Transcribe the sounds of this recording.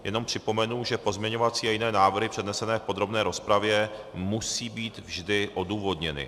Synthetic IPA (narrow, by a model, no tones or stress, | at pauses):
jʔɛ̰no̞mpr̝̥ɪpo̞mɛnuʒɛpo̞zmɲɛɲo̞vat͡siːajɪnɛːnaːvr̩ɦɪpr̝̥ɛdnɛsɛnɛːfpod̪ɾo̞bnɛːɾo̞spɾavjɛ | musiːbiːt̪vʒdɪʔo̞duːvo̞dɲɛnɪ̰